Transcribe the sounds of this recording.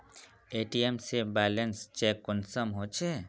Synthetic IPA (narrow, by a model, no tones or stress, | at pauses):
eːʈiemsebɛːlənst͡ʃɛːkːɔnsəmɦot͡ʃʰe